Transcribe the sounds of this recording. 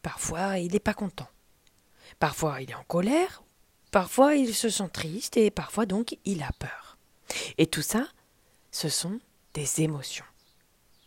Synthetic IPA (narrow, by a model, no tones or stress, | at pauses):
paʁfwailɛpakɔ̃t̪ɑ̃ | paʁfwailɛɑ̃kɔlɛʁ | paʁfwailsəsɑ̃t̪χist̪epaʁfwad̪ɔ̃kilapœːʁ | et̪usa | səsɔ̃ | d̪̥ezemɔsjɔ̃